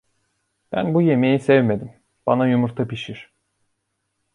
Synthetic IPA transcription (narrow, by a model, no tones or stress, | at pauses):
b̥æ̰nbuje̞mejisɛvme̞d̪im | b̥anajumuɾt̪ʰapiʃiɾ̥